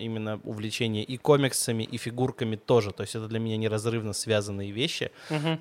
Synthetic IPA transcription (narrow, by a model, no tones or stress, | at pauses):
ʔimʲɪnːəʊ̰vlʲɪt͡ɕenʲɪjəʔiko̞mʲɪksəmʲɪʔifʲɪɡurkəmʲɪt̪o̞ʐɨt̪o̞ɪsʲtʲɛt̪əd̪lʲəmʲɪnʲanʲɪɾɐzrɨvnəsvʲazənːɨjəvʲeɕːɪ̰ɦ̩